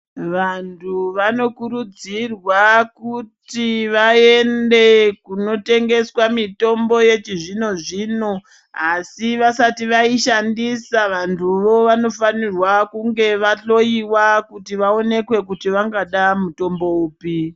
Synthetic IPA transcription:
ʋantʰuʋano̞kuɾud͡zirwakutiʋae̞nde̞kuno̞te̞ŋɡe̞swamito̞mbo̞je̞t͡ʃiʐino̞ʐiːno̞ | asiʋasatiʋaiʃandisaʋantʰuʋo̞ʋano̞fanirwakuŋɡe̞ʋaɬo̞iwakutiʋao̞ne̞kwe̞kutiʋaŋɡaɗamuto̞mbo̞uːpi

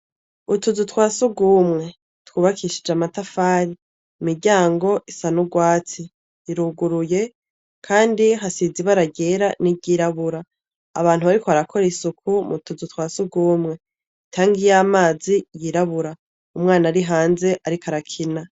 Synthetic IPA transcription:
utuzutwaːsuɡuːmŋe̞ | twuːβakʰiːʃid͡ʒamatafaːɾiː | miɾɟaːŋɡo̞ʔisanuɡwaːt͡siː | ɾuːɡuɾuje̞ | kʰaːndiɦasiziβaɾaɟeɾaniɟiɾaβuɾa̰ː | βaːnhuβaɾikoaɾakʰo̞ɾesukʰumṵtuzutwaːsuɡuːmŋe̞ | tʰaːŋɡijaːmaːzijiːɾaβuɾa | umŋaːnaɾiɦaːnze̞ʔaɾikaɾakʰina

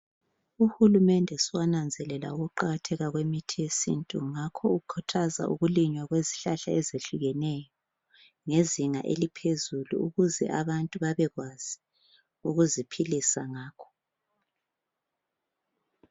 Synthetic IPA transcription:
uxulumɛndʱɛswanand͡zʱɛlɛla̰uɣuǃaɣatʰɛɣaɣwemitʰiesḭntʼuŋakʰɔukʰɔtʰaza̰ʔṵɣuliɲwaɣweziɬaɬaɛzeɬuɣɛnɛjɔ | ŋeziŋa̰ʔḛlipʰezulṵuɣuzɛ̰ʔaβantʼuβaβɛɣwaz̥i | uɣuzipʰilisaŋaːkʰɔ̥

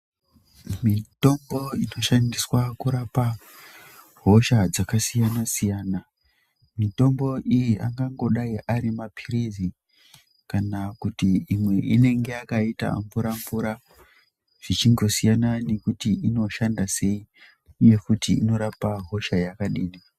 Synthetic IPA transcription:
mito̞mbo̞ino̞ʃandiswakuɾapa | ɦo̞ʃad͡zakasijanasijaːna | mito̞mbo̞ʔijiʔaŋɡaŋɡo̞ɗaiʔaɾimapʰirizi | kanakutiːmwe̞ʔine̞ŋɡe̞akaita̰ɱvuɾaɱvuɾa | ʐ̥it͡ʃiŋɡo̞sijanane̞kutiino̞ʃandase̞i | uje̞kutiḭno̞ɾapaɦo̞ʃajakaɗiːni

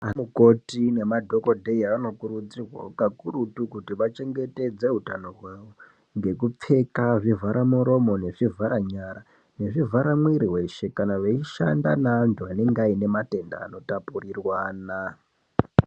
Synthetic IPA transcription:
amuko̞tine̞madʱo̞ko̞dʱe̞iano̞kuɾud͡zirwa̰kakuɾutukutiʋat͡ʃe̞ŋɡe̞te̞d͡ze̞ɦutanoɦweʋo | ŋɡe̞kup͡fe̞kaʐivʱaɾamuɾo̞mo̞ne̞ʐivʱaɾaɲaɾa | ne̞ʐivʱaɾamwiɾiwe̞ʃe̞kanaʋeiʃa̰ndanaːntʰuane̞ŋɡaine̞mate̞nda̰ːno̞tapurirwaːna

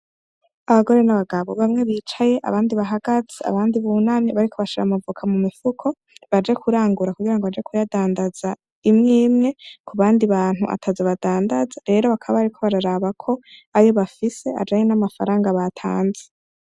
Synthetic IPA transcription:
aβaɡo̞ɾe̞naβaɡaβo̞βamŋe̞βiːt͡ʃaje̞ʔa̰βaːndiβaɦaɡaz̥ea̰βaːndiβuːnamɲiβaɾikʰo̞βaʃiɾa̰mavukʰamumifukʰo̞ | βad͡ʒe̞kʰuɾaːŋɡuɾakuɡiɾaŋɡo̞βad͡ʒe̞kʰujadaːndaz̥a | imŋiːmŋe̞kʰuβaːndiβaːn̥huʔa̰tʰazeβadaːndazaɾe̞ɾo̞βakʰaβaaɾikʰo̞βaɾaɾaːβakʰo̞ajo̞βafise̞a̰d͡ʒaɲenamafaɾaːŋɡaβatʰa̰ːnze

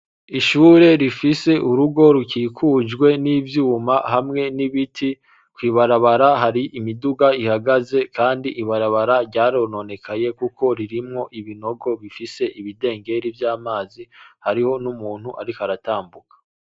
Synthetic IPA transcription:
iʃuːɾe̞ɾifise̞ʔuɾuɡo̞ɾukiːkʰuːd͡ʒɡwe̞nivjuːmahamŋe̞niβitʰi | kwiːβaɾaβaɾaɦaɾiʔimiduɡaihaɡaze̞kaːndiʔiβaɾaβaɾaɾɟaːɾo̞no̞ne̞kʰaje̞kuko̞ɾiɾimŋo̞ʔiβino̞ɡo̞βifise̞ʔiβide̞ːŋɡe̞ɾivjaːmaːzihaɾiho̞numuːnhuʔaɾikaɾataːmbukḁ

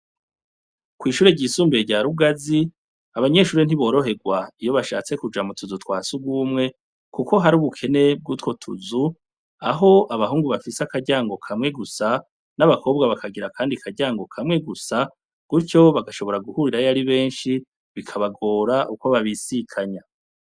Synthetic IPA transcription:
kwiːʃuːɾeɟiːsuːmbeɟaɾuɡazi | aβaɲe̞ʃuːɾen̥iβo̞ːɾo̞ɦe̞ɡwaijo̞βaʃa̰ːt͡se̞kud͡ʒamutuzutwaːsuɡwuːmŋe̞ | kuko̞ɦaɾuːβukʰe̞ne̞b̚ɡutkwo̞tʰṵzu | aɦo̞ʔaβaɦuːŋɡuβafisakaɟaːŋɡo̞kʰamŋe̞ɡusa | naβakʰo̞ːb̚ɡaβakʰaɡiɾakʰaːndikʰaɟaːŋɡo̞kʰamŋe̞ɡusa | ɡ̥uɾco̞βaɡaʃo̞βo̞ɾaɡuhuɾiɾajaɾiβe̞ːnʃi | βikʰaβaɡo̞ːɾaʔuko̞βaβisikʰaɲa

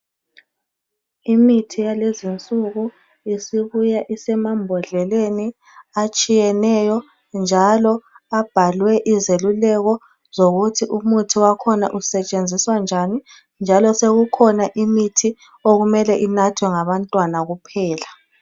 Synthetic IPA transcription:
imitʰijalezint͡sʼuɣu | isiβujaʔisɛmambʱɔɮɛleni | at͡ʃʼijɛnɛjɔ | nd͡ʒʱalɔab̥ʱalwɛʔizelulɛɣɔ | zoɣutʰiʔumutʰiwakʰɔna̰ʔusɛt͡ʃʼend͡zʱiswand͡ʒʱani | nd͡ʒʱalɔseɣukʰɔnaʔimitʰi | oɣumɛlɛʔinatʰwɛŋaβantʼwanaɣupʰɛːla

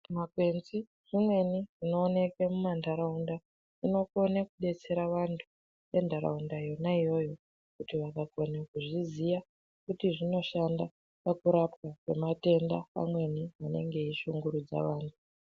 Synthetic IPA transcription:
makwe̞nzi | ʐ̥imwe̞niʐ̥ino̞ːne̞kemumandaɾaunda | ino̞ko̞nakuɗe̞t͡se̞ɾaʋantʰu | je̞ndaɾa̰undajo̞naijo̞jo̞ | kutiʋakakonakuʐizija | kutiʐino̞ʃanda | pakuɾapkakwe̞̰mate̞ndaa̰mwe̞niʋane̞̰ŋɡe̞iʃuŋɡuɾud͡za̰ʋaːntʰu

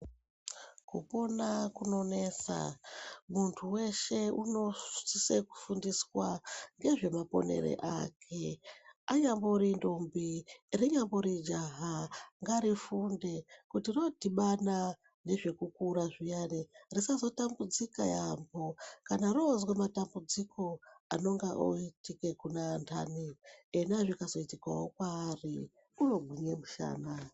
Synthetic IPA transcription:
kṵpo̞nakuno̞ne̞sa̰muntʰuwe̞ʃe̞uno̞̥siseku̥fundiswaŋɡe̞ʐe̞mapo̞̰ne̞̰ɾḛʔa̰kʰe̞aɲamboɾindombiriɲamboɾid͡ʒaɦaŋɡaɾifunde̞kutirodʱiɓana | ne̞ʐe̞kukuɾaʐijanerisazo̞tambud͡zika̰jambo̞kanarozwematambud͡zikʰo̞ano̞ŋɡaʔo̰itike̞kunandʰa̰nienaʐikazo̞itika̰wokwaːri | uno̞ɡʱiɲe̞muʃa̰ːna

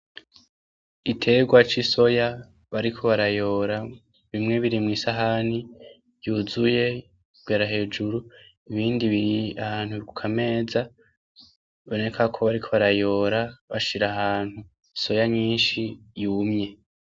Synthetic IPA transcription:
itʰe̞ːɡwat͡ʃiso̞ja | βaɾikʰo̞βaɾajo̞ːɾa | βimŋe̞βiɾimŋiːsaɦani | juːzuje̞ | β̥ɡaːɾaɦe̞ːd͡ʒuɾu | iβiːndiβiɾiahaːn̥huβkukʰame̞ːza | βo̞ne̞kʰakʰo̞βaɾikʰo̞βaɾajo̞ːɾaβaʃiɾaɦaːn̥hu | so̞jaɲiːnʃijuːmɲe̞

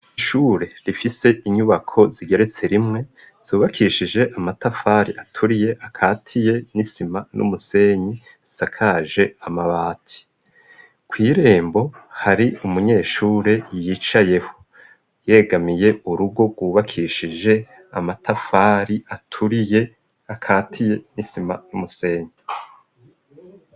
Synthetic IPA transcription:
iʃuːɾe̞ɾifise̞ʔiɲuβakʰo̞ziɡe̞ɾe̞t͡se̞ɾimŋe̞ | z̥uːβakʰiʃid͡ʒe̞ʔamatafaɾiʔatʰuɾije̞ʔakʰaːtʰije̞nisimanʔṵmuse̞ːɲi | sakʰaʒe̞amaβaːtʰi̥ | kwiːɾe̞ːmbo̞haɾiumuɲe̞ːʃuːɾejit͡ʃaje̞ho̥ | je̞ɡamije̞uɾuɡo̞ɡɡwuːβakʰiʃid͡ʒe̞ | a̰matafaɾiatʰuɾije | akʰaːtʰije̞nisima̰numuse̞ːɲi

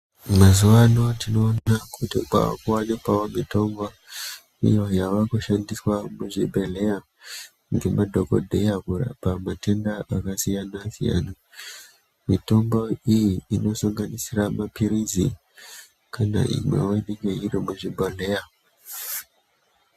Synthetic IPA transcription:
mazuwano̞tino̞ːnakutika̰wa̰kuwanikwaomito̞mbo | ḭjo̞jaʋakuʃandiswamuʐibʱele̞ja | ŋɡe̞madʱoko̰dʱejakura̰pamate̞ndaakasijanasija̰na | mito̞mbo̞ijiino̞saŋɡanisiramapiɾizi | kʰana̰ʔḭmwḛweniŋɡeiɾimuʐibʱeleja

